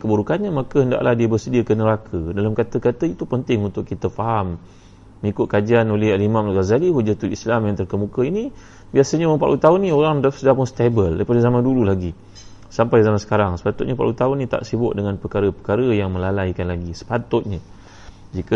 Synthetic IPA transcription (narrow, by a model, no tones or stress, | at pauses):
kəbuɾukanɲəmakəɦənda̰ʔlahdiəbərsədiəkənəɾakʰədalamkat̪əkat̪əit̪upənt̪ɪŋunt̪ʊk̚ːit̪əfaɦamː | ŋikʊt̪̚kad͡ʒianolɛɦalimãmluɣazalihud͡ʒat̪ulislamjaŋt̪ərkəmukəini | biasəɲapa̰ʔlut̪aʊnːĩoɾaŋdasədahpʊnst̪ebəlda̰jpadəzamandululaɡi | sampajzamansə̥kaɾaŋsə̥pat̪ʊt̪̚ɲapaʔlut̪aʊnĩt̪a̰ʔsibʊt̪̚dəŋanpəkaɾəpəkaɾəjaŋmə̃lalajkanlaɡisə̥pat̪ʊt̪̚ɲə | d͡ʒikə